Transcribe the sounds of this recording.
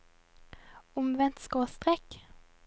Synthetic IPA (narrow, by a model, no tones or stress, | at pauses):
ʊmʋɛnt̪skoːst̪ʁɛk